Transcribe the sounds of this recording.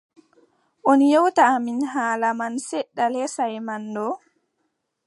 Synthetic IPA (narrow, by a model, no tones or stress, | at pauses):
ʔonjɔwtaːminɦaːlamansɛɗːalɛsajmandɔ